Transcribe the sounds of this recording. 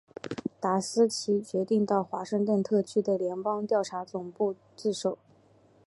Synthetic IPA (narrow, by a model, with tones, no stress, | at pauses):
t̪a˧˥sɹ̩˥t͡ɕʰi˧˥t͡ɕɥɛ˧˥t̪i˥˧ŋt̪ɑ˥˩ʊxwa˧˥ʂɤ˥˧ŋt̪wə˥˧nt̪ʰɤ˥˩t͡ɕʰy˥d̪ə˨ljɛ˧˥npɑ˥ŋt̪jɑ˥˩ʊʈ͡ʂʰa˧˥t͡sʊ˨˩ŋpu˥˧ | t͡sɹ̩˥˩ʂo˨˩˦ʊ